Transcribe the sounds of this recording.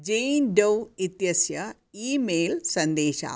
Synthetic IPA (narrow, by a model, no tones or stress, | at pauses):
d͡ʑejnɖɐwit̪jɐsjɐ | iːmeːlsɐnd̪eːɕa̰ː